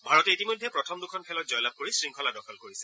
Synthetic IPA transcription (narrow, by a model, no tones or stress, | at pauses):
bʱaɹɔtɛitimojdʱːɛpɹɔtʰɔmdukʰɔnpʰɛlɔtzɔjlab̚koɹisɹiŋkʰɔladɔkʰɔlkoɹisɛ